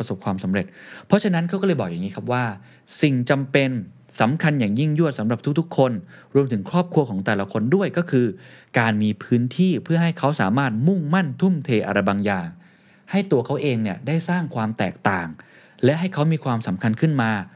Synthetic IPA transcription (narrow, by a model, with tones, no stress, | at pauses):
so˨˩p̚kʰwaː˧msa˨˩˦mɾe˨˩t̪̚pʰɔ˦˥t͡ɕʰa˧na˦˥nkʰa˦˥wkɔ˥˩ɤː˧jbɔː˨˩k̚jaː˨˩ŋiː˦˥kʰa˦˥p̚waː˥˩ | si˨˩ŋt͡ɕa˧mpe˧n | sa˩˦mkʰa˧njaː˨˩ŋji˥˩ŋju˥˩ət̪̚sa˩˦mɾa˨˩p̚t̪ʰu˥k̚t̪ʰu˦˥kʰːo˧nɾu˧əmt̪ʰɯ˩˦ŋkʰɾɔː˥˩p̚kʰu˧ɐkʰɔː˩˦ŋt̪ɛː˨˩la˦kʰo˧ndu˥˩əjkɔː˥˩kʰɯː˧kaː˧nmiː˧pʰɯː˦˥nt̪ʰiː˥˩pʰɯ˥˩ɐɦa˥˩jkʰa˦˥wsaː˩˦maː˥˩t̪̚mu˥˩ŋma˥˩nt̪ʰu˥˩mt̪ʰeː˧ʔa̰˧ɾa˧jbaː˧ŋjaː˨˩ŋ | ha˥˩jt̪u˧ɐkʰa˦˥wʔeː˧ŋni˥˩ədaː˥˩jsaː˥˩ŋkʰwaː˧mt̪ɛ̰ː˨˩k̚t̪aː˨˩ŋ | lɛ˦˥ɦa˥˩jkʰa˦˥wmiː˧kʰwaː˧msa˩˦mkʰa˧nkʰɯ˥˩nmaː˧